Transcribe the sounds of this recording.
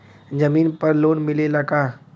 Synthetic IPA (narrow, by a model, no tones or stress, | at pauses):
d͡ʒɐmiːnpɐɾloːnmɪlelɐɡaː